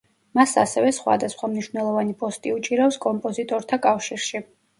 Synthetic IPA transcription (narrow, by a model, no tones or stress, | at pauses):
masa̰sɛvɛsχwa̰d̪asχwamniʃvnɛlˠɔvanipʼɔst̪ʼiut͡ʃʼiɾafskʼɔmpʼɔzit̪ʼɔɾt̪ʰakʼafʃiɾʃi